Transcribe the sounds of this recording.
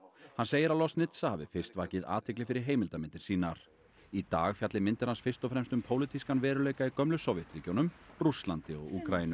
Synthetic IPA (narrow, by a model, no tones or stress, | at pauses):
hanseːjɪɾawlɔst̪nɪt̪sahavɪ̰fɪrst̪vaːcɪða̰ːt̪ʰɪklɪfɪɾɪɾ̥ɦeːjmɪlt̪amɪnt̪ɪɾ̥siːnaɾ̥ | it̪aːɣfjat̪lɪmɪnt̪ɪɾ̥hansfɪst̪ɔfɾɛmst̪ʏmpʰoːwlɪt̪ʰiskanvɛːɾʏleːjkaikœmlʏsoːwvjɛt̪ɾiːcownʏmrust̪lant̪ɪɔ̰ɣuːkɾajinʏ